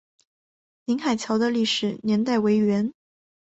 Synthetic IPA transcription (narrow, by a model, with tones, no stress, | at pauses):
li˧˥ŋxa˨˩ɪt͡ɕʰjɑ˧˥ʊd̪ə˧li˥˩ʂɻ̩˨˩njɛ˧˥nt̪a˥˩ɪwe˧˥ɪɥɛ˧˥n